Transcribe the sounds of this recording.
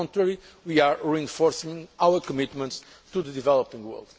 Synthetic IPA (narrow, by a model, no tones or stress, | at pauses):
ɔ̃ntɾɛɾi | wiaɹɹiɛ̃nfɔɾsĩŋawəɾkɔmit̪mə̃nt̪s | t̪uðəd̪ivɛlˠɔpĩŋɡwɛ̰lˠd̪̥